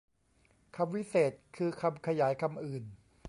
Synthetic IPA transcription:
kʰa˧mwi˦˥seː˨˩t̪̚kʰɯː˧kʰa˧mkʰa˧jaː˩˦jkʰa˧mʔɯː˨˩n

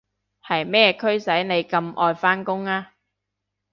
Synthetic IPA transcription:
hɐ˨jmɛː˥kʰɵ˥ɥsɐ˨˥jne˨˧jkɐ˧mʔɔː˧jfaː˥nkʊ˥ŋaː˥

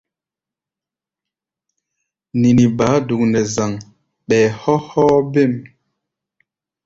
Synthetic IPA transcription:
ni˨ni˨baː˨˦du˨k̚nɛ˨za˨ŋ | ɓɛː˨hɔ˦hɔ˦be˦˨m

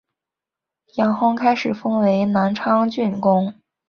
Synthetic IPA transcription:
jɑ˧˥ŋxʊ˥ŋkʰa˥ɪʂɻ̩˨˩fɤ˥ŋwe˧˥ɪna˧˥nʈ͡ʂʰɑ˥ŋt͡ɕy˥˩nkʊ˥ŋ

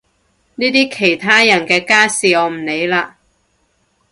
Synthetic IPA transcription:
niː˥t̪iː˥kʰe˨˩jt̪ʰaː˥jɐ˨˩nkɛː˧kaː˥siː˨ɔː˨˧m̩˨˩ne˨˧jlaː˧

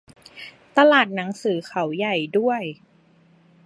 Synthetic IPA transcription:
t̪a˧laː˨˩t̪̚na˩˦ŋsɯː˩˦xʰa˨˦wja˨˩jdu˥˩əj

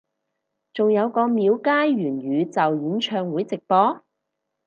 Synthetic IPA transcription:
t͡sʊ˨ŋjɐ˨˧wkɔː˧miː˨˧wkaː˥jɥyː˨˩nɥyː˨˧t͡sɐ˨wjiː˨˥nt͡ʃʰœː˧ŋwuː˨˥jt͡sɪ˨k̚pɔː˨˥

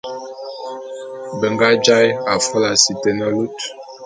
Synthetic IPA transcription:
bɛ˨ŋɡa˦d͡ʒa˦ja˨fɔ˦la˨si˨tɛ˨nə˦lu˦t

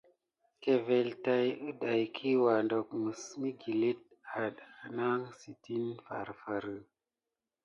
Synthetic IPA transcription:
ke˨ve˨lta˦jə˦ɗa˨jkʰi˦wa˨ndo˨k̚mə˨smi˦ɡi˨li˦t̚a˨ɗa˨na˦ŋsi˨ti˦nfa̰˨ɾfa˨ɾə˨

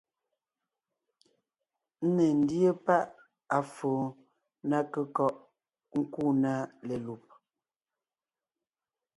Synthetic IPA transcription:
n̩˦ne˨n̩˦djə˦pa˦ʔ | a˨foː˨ | na˦kə˦kɔ˦ʔ | ŋ̩˦ku˦˨na˦le˨lu˨p̚

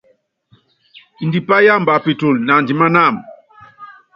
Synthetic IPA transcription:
i˨ndi˨pa˦ja˦˨mba˨pi˨tu˨lna˨ndi˨ma˦na˦˨m

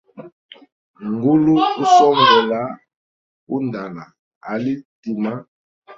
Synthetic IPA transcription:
ŋɡu˦lu˦u˦sɔ˦ŋɡɛ˨la˦ | u˦nda˨la˨ | a˨li˦ti˨ma˦

